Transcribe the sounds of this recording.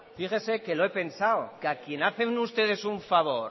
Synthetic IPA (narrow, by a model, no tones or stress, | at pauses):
fixese̞ke̞loe̞pe̞nsawkakje̞naθe̞nust̪e̞ð̞e̞suɱfaβo̞ɾ